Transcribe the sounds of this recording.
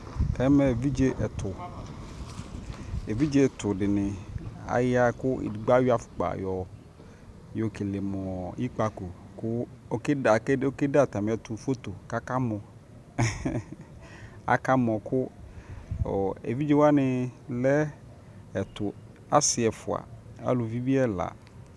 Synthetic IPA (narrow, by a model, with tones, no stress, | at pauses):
ɛ˦mɛ˨vi˦d͡ʒe˦ʔɛ˨t̪ʰʊ˨ | e˨vi˦d͡ʒe˦˨t̪ʰʊ˨dɪ˨nɪ̃˨a̰˨ja˦kʊ˦ḭ˨ɡ͡ba˦wi˦a˨fʊ̥˨k͡pa̰˨jɔ˨ | jo˨ke˨le˨mɔ̃ɔ̃˨i˦k͡pa˨ko˨kʊ˦ | o˦ka˨ko˦ke˦da˨t̪a˨mɪ̃˨ɛ˨t̪ʊ˨fo˦t̪o˨ka˦ka˦mɔ̃˨ | a̰˨ka˦mɔ̃˨kʰʊ˦ | ɔ˨ḛ˨vi˦d͡ʒɛ˦wa˦nɪ̃˨lɛ˦ | ɛ˨t̪ʊ˨ | a˦sɪ˨ɛ˨fʊ˨a̰˨a̰˨˦lʊ˨vi˦bi˦ɛ˦la̰˨